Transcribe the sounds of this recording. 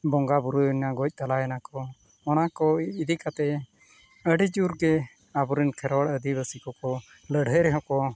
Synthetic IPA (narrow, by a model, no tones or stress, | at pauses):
bɔŋɡabuɾunaɡɔc̚t̪alaɛnakɔ | ɔnakɔid̪ikat̪ɛ | əɖid͡ʒuɾɡɛ | abuɾinkʰɛɾwaɽəd̪ibəsikɔkɔ | ləɽɦəɾɛɦɔkɔ